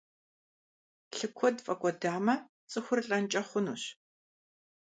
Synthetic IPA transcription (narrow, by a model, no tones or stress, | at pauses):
ɬɨkʷʰɔdfʼɐkʷʼɔdaːmɐ | t͡sʼɨxʷʊrɬʼɐnt͡ʃʼɐχʷʊnuːɕ